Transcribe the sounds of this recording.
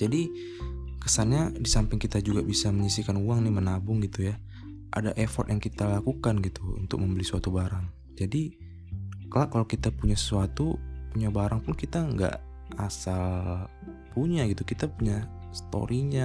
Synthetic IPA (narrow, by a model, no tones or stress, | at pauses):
d͡ʒadi | kəsanɲadisampɪŋkit̪ad͡ʒuɡabisaməɲisikanuaŋnɪmənabʊŋɡit̪uja | ʔa̰daʔefɔrt̪jaŋkit̪alakukanɡit̪uṵnt̪ʊ̰k̚məmbəlisuat̪ubaɾaŋ | d͡ʒadi | kalaʔkːalokit̪apuɲasə̥suat̪upuɲabaɾaŋpʊnkit̪aəŋɡa̰ʔ | asal | puɲaɡit̪ukit̪apuɲa | sə̥t̪o̰ɾʔiɲa